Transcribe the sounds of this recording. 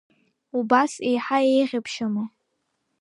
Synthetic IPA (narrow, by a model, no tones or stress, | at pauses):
ubasejħaejʁʲɪpʰʃamɨ